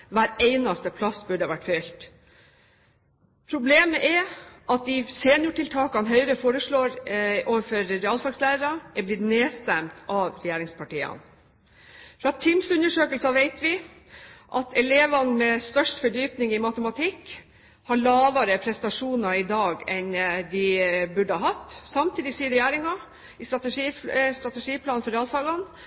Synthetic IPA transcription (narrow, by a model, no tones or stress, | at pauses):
ʋæːɾeɪnɑst̪əpʰlɑsbʉɖəʋæʈːfœʏlt̪ | pʰɾʊbleːməʔɛʔɑt̪̚d̪ɪseːnjʊʈɪlt̪ʰɑːkɑnɦœʏɾəfoːɾəʂɭoːɾoːʋəfɔɾːɛɑːlfɑɡslæːɾəɾɑɛblɪt̪neːst̪æmt̪ʰɑʋɾɛjeːɾɪŋspʰɑʈiːə̰n | fɾɑt̪ʰɪmsʉnːəʂøːkəlsɑʋeɪt̪ʋɪ | ʔɑt̪ɛleːʋɑnmɛst̪œʂʈfɔɖyːpnɪŋɪmɑt̪əmɑt̪ʰɪkː | hɑɭɑːʋɑɾəpʰɾɛst̪ɑʂuːnɑɾɪd̪ɑːɡɛnd̪ɪbʉɖəhɑɦɑt̪ːsɑmt̪ʰiːd̪ɪsiːəɾɛjæːɾɪŋɑ | ɪst̪ɾɑt̪əʂist̪ɾɑt̪ɛʂiːpʰlɑːnfɔɾɛɑlfɑɡɑn